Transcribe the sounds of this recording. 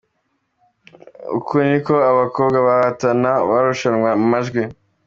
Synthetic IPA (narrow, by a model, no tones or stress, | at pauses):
ṵkunikoaβakobɡaβahatanaβaɾuʃanŋwaumaʒɡwi